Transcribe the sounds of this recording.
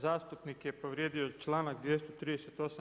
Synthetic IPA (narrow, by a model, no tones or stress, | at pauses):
zaːst̪upnikjepo̞ʋɾjeːd̪iot͡ʃlˠaːnak̚d̪ʋjest̪ot̪ɾiːd̪eset̪o̞sa